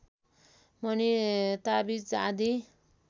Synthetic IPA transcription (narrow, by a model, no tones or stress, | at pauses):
mʌnit̪abit͡sa̰d̪i